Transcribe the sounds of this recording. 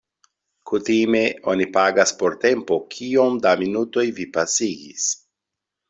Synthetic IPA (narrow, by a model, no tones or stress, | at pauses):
kutime̞o̞nipaɡaspo̞ɾte̞mpo̞kʰio̞mdaminuto̞jvipasiɡḭs